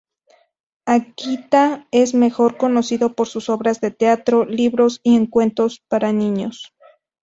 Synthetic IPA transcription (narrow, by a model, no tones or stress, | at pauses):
akit̪ae̞zme̞xo̞ɾko̞no̞siðo̞po̞ɾsuso̞βɾazðe̞t̪eat̪ɾo̞liβɾo̞sieŋkwe̞nt̪o̞spaɾanĩɲos